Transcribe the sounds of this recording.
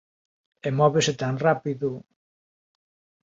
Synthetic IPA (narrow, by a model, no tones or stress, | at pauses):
emɔβeset̪aŋrapiðʊ